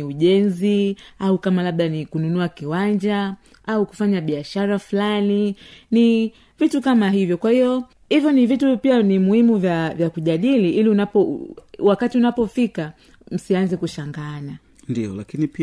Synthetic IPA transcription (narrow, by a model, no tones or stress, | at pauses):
iuʄɛnziaukamalaɓɗanikununuakiwand͡ʒa | auku̥faɲaɓiaʃaɾafulanini | vitukamaɦivjɔkwahiɔ | hivjɔnivitupianimuhimuvjavjakuʄaɗiliʔiliunapɔwakatiunapɔfika | m̩sianzɛkuʃaŋɡana | ndiɔ̰la̰kinipi